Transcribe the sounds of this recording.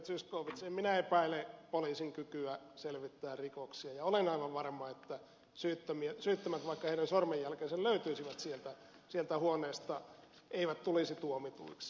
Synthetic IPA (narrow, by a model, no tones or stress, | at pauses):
t̪syskoːʋit̪siemminæepæilepoliːsiŋkykyæ | selʋit̪ːæːrrikoksiɑjɑolenɑiʋɑʋʋɑrmɑet̪ːæ | syːt̪ːømiesyːt̪ːømæt̪ʋɑikːɑheiɾænsormejjælkeːselløyt̪yisiʋæt̪sielt̪æ | sielt̪æhuoneːst̪ɑ | eiʋæt̪t̪ulisit̪uomit̪ṵiks